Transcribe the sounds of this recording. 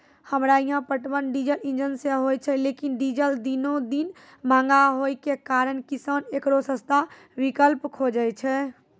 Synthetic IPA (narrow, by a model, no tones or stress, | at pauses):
həmɾaijɦãpəʈbənɖid͡ʒəlĩnd͡ʒənseɦojt͡ʃʰɛlekinɖid͡ʒəld̪inod̪in | mãŋɡaɦojkekaɾənkisənekɾosə̃st̪ʰa | bikəlpkʰod͡ʒəjt͡ʃʰɛ